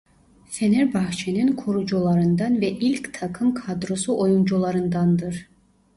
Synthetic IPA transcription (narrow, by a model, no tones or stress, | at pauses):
feneɾbɑxt͡ʃʰininkʰoɾud͡ʒulˠɑɾɯnd̪ɑnvɛʔilʲct̪ʰɑkʰɯmkʰad̪ɾosuʔojund͡ʒulˠɑɾɯnd̪ɑnd̪ɯɾ